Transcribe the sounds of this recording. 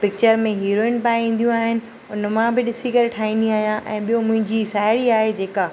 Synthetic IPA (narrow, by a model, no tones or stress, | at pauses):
pɪk̚t͡ɕəɾmẽɦiːɾoːɪ̃npaːj̃ĩːn̆d̪ijũaːɦɪnɪ̆ | ʊnmãbɪɗɪsikɐɾeʈʰaːĩːn̆d̪iaːɦijãʔɛ̃ːɓijõmʊ̃ɦɪ̃ɲd͡ʑisaːɪɽiaːɦed͡ʑeːka